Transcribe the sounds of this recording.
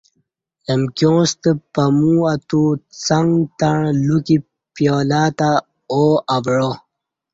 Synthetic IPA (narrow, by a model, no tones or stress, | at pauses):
ləmkjõːst̪əpamuat̪ut͡saŋɡt̪aɳluki | pjoːlaːt̪a | oabɻo